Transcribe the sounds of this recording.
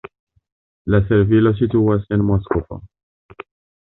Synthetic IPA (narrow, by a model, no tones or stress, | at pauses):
lasɛɾvilos̬it̪uːasenmɔskopo̰